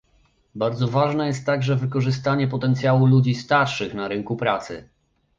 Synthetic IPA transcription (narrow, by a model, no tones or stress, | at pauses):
baɾd̪zɔvaʐnɛjɛst̪ːaɡʐɛvɘkɔʐɘst̪aɲɛpɔt̪ɛnt̪sʲjawulud͡ʑist̪aɾʂɘxnaɾɘŋkupɾat̪sɘ̰